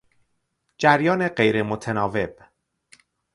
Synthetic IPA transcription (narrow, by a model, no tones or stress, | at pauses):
d͡ʒæɾjɒːne̞ɢe̞jɾemot̪ʰenɒːve̞b̥̚